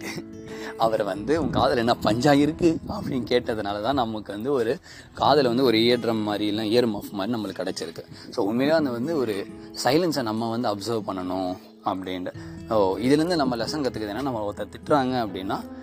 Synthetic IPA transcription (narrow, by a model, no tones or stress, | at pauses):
ɐʋɐɾʋɐnd̪ɯʊ̃ŋkaːðɐlɛnːaːpɐɲd͡ʒaːjɪɾɯkːɯɐpːɐɽɪnkeːʈːɐðɯnaːlɐt̪ãːnɐmːɐkːɯʋɐnd̪ɯɔɾɯ | kaːðɐlʋɐnd̪ɯɔɾɯejɐɖɾɐmːaːɾɪɐlːãːɪjɐɾmɐːfmaːdɾinɐmːɐlkːɐɽɛt͡ʃːɪɾɯkːɯ̥soːʊnmeːljãːɐnd̪ɐʋɐnd̪ɯɔɾɯsɐɪlɐnsɐnɐmːɐʋɐnd̪ɯɐbsɐɾʋpɐɳːɐɳʊ̃ | ɐpːɐɽɪnɾɐsoːɪðɪlɾɯnd̪ɯnɐmːɐlɛsɐ̃ŋkɐt̪ːɯkːɐðenːaːnɐmːɐɔt̪ːɐt̪ɪʈːɾaːŋɡɐɐpːɐɽɪnːaː